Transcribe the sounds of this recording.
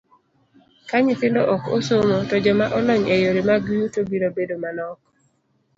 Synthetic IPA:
kaɲɪfɪndɔʔɔko̰somotɔd͡ʒɔmaʔɔlɔɲejoɾemaɡjutobinobedomanɔk̚

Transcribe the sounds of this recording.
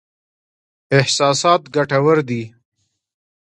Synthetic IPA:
ɪhsɑːsɑːt̪ɡaʈawəɾd̪i

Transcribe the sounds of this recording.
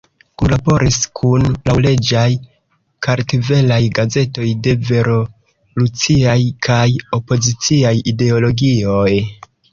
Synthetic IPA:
kulabo̞ɾʔiskʰunlawle̞d͡ʒaj | kaɾtive̞lajɡaze̞to̞jde̞ve̞ɾo̞ | lut͡siajkʰajo̞po̞zit͡siajide̞olo̞ɡio̞j

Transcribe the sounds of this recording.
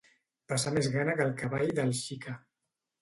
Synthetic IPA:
pasamezɣanəkəlˠkaβajðəlˠʃika

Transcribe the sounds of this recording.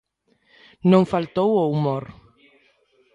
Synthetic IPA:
nõŋfalt̪owowmoɾ

